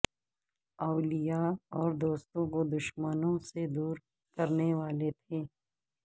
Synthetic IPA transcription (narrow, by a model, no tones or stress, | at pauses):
ɐːlijaɔːɾd̪oːst̪õkod̪ʊʃmənõsed̪uːɾ | kɐɾneʋaːlet̪ʰeː